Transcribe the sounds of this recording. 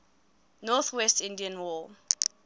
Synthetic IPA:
nɔθwɛstĩndiãnwɔ

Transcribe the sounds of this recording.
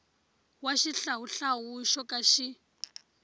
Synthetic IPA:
waʃiɬaɦuɬaɦuʃɔkʼaʃi

